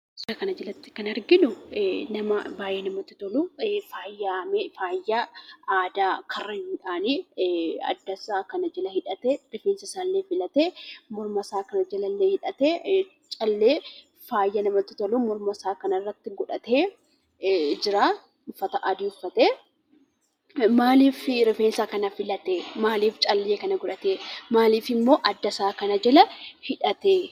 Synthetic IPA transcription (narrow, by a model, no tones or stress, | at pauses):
sɐkɐnɐd͡ʒɪlɐt̪ːɪ̥kɐnɐɾɡɪnʊnɐmɐbaːʔeːnɐmɐt̪ɪt̪ɔlʊfaːjːamefaːjːɐaːd̪aːkʰɐrːɐɪnᶑaːni | ɐ̰d̪ːɐsaːkɐnɐd͡ʒɛlɐhɪᶑɐt̪ɛɾɪfeːnsɐsaːlːeːfɪlɐt̪emɔɾmɐsaːkɐnɐd͡ʒɐlɐlːeːhɪᶑɐt̪e | t͡ʃʼɐlːeː | faːjːɐnɐmɐt̪ːɪ̥t̪ɐluːmɔɾmɐsaːkɐnɐrːɐt̪ːɪɡɔᶑɐt̪eː | d͡ʒɪɾaː | ʊfːɐt̪ɐʔɐd̪iʊfːɐt̪eː | maːliːfɾɪfeːnsakɐnɐfɪlɐt̪eːmaːliːft͡ʃʼɐlːeːkɐnɐɡɔᶑɐt̪eːmaːliːfɪmːo̞ːʔɐd̪ːɐsaːkɐnɐd͡ʒɛlɐhɪᶑɐt̪e